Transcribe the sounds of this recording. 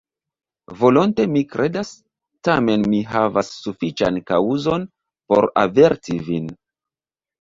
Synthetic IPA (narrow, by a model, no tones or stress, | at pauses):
vo̞lonte̞mikɾʔe̞das | tame̞nmiɦavasːufit͡ʃa̰nkauzo̞n | po̞ɾa̰ve̞ɾtivin